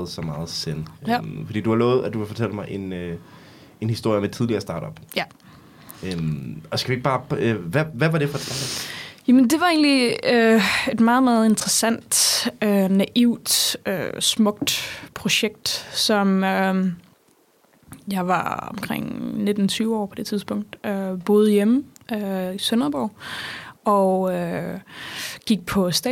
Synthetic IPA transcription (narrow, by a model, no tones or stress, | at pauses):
ð̩ˠsɒmɑ̈ːð̞̩ˠsenfɒd̥ḭːd̥uhɑ̈lɔ̽ːð̩ˠæd̥ukefɒ̽t͡sʰel̰əmɑ̈ɪʔe̝nø | e̝nhisd̥o̝ɐ̰jəmet͡sʰið̞ˠliɐsd̥ɑ̈ːɾ̥ɒ̽b̥j | ømɒ̽sɡ̥ædueɡ̥̚b̥ɑ̈ːʋæʋæʋɑ̈ɾ̥e̝fɒ̥d̥ɑ̥ːjæmənd̥e̝ʋɑ̈ḛnliøe̝d̥mɑ̈ːð̞̩ˠmɑ̈ːð̞̩ˠe̝nd̥ʁɐsæn̰d̥ønæʔiʊ̰d̥ø̰smɔ̽ɡ̥̚d̥pʰʁo̝ɕeɡ̥̚d̥sɒ̽mø | jɑ̈ɪʋɑ̈ɒ̽mkʰʁɛ̰ŋ̰ne̝d̥n̩t͡sʰyːʊəɒ̰ːpʰɒ̽d̥e̝t͡sʰið̞ˠsb̥ɔ̽ŋ̰d̥øb̥o̝ːð̞ˠjeməʔøisœnɐb̥ɒʊ̰ | ɒø | ɡ̥iɡ̥̚pʰɒ̽sd̥ɛ